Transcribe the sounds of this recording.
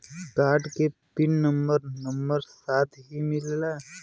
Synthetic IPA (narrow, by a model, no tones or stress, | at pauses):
kaɾʈkepinnəmbəɾnəmbəɾsat̪ʰɦimilla